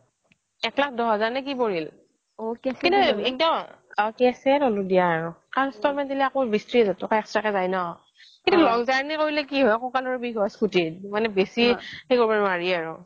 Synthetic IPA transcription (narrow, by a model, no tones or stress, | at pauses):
ɛklak̚ʰdɔɦɔzaɹnak̬ipoɹil | oɛskĩntuɛk̚dɔmɔkɛsɛtoludijaːɹʊaɹstɔɹmɛntiliakobistɹizatɔkaɛkstɹakɛzajnɔ | kintulɔŋzaɹnikoɹilɛkiɦojakɔkalɔɹɛbiɡɔjskutitmanɛbesixejkoɹipaɹmaɹiaɹʊ̰